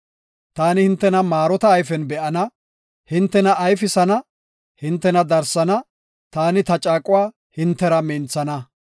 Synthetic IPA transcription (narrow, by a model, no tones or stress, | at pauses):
t̪aːnɪhɪnt̪ːɛnɐmaːɾɔt̪ɐːjfɛnbɛʔɐnɐ | hɪnt̪ːɛnɐːjfɪsɐnɐ | hɪnt̪ːɛnɐd̪ɐɾsɐnɐ | t̪aːnɪt̪ɐt͡ʃʼaːkʼʊwaː | hɪnt̪ːɛɾɐmint͡sːɐnɐ